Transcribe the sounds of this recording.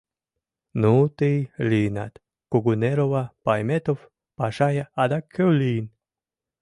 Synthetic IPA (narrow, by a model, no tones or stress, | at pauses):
nut̪ejliːna̰t̪ | koɡuneɾovapajmet̪of | paʃajaad̪akʰəwliːn